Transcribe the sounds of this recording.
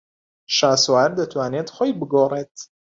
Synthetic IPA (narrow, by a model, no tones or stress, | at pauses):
ʃaːsoaɾd̪ɐt̪ʰwaːned̪χojbɨɡoːret̪